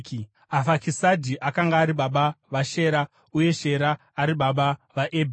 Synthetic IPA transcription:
k | afakisadʱiʔakaŋɡaːɾiɓaɓaʋaʃe̞ːɾa | uje̞ʃe̞ɾaː | ɾiɓaɓaʋaʔeb

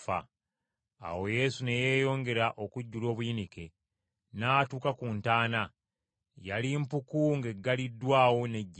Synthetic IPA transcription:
fa̰ː | wo̞je̞ːsune̞je̞ːjo̞ːŋɡe̞ɾaʔo̞kuɟːulo̞ːβujinike̞ | naːtuːkakuntaːna | jalimpukuŋɡe̞ɡːalidːwaːwo̞neɟː

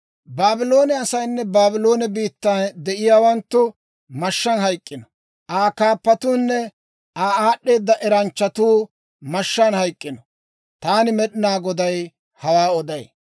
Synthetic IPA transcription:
baːbɪlo̞ːnɛɐsɐjnːɛbaːbɪlo̞ːnɛbiːt̪ːɐnd̪ɛʔɪjaːwɐnt̪ːʊ | mɐʃːɐnɦɐjkʼːɪnɔ | ʔaːkaːpːɐt̪uːnːɛ | ʔaːaːɗːe̞ːd̪ːɐʔɛɾɐnt͡ʃːɐt̪uː | mʃːɐnhɐjkʼːɪnɔ | t̪aːnɪmɛɗɪnaːɡɔd̪ɐj | hɐwaːɔd̪ɐj

